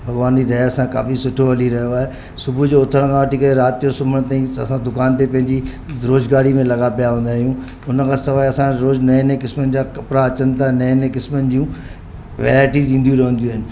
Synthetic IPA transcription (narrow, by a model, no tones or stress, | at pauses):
bʱɐɡʋaːnd͡ʑid̪ʱɐjasãka̰ːfisʊʈʰoɦɐliɾɐɦijoaːɦe | sʊbʱud͡ʑoːʊt̪ʰəɽ̃kʰãʋəʈʰikɐɾeɾaːt̪ijosʊbʱəɽ̃t̪aːĩɐsãd̪ʊkaːnt̪epɐ̃ɦɪ̃ɲd͡ʑi | ɾoːzɡaːɽimẽlɐɡapijaɦũːn̆d̪aːɦijũ | ʊnəkʰãːsɐʋaːɐsãɾoːd͡ʑnɐnekɪsmənɪ̆d͡ʑaːkɐpɾaɐt͡ɕənɪ̆t̪ʰaɦenɐnekɪsmənɪ̆d͡ʑiũ | ʋḛːɾaːɪʈiːzĩːn̆d̪ijũɾɐɦə̃n̆d̪iuaːɦɪnɪ̆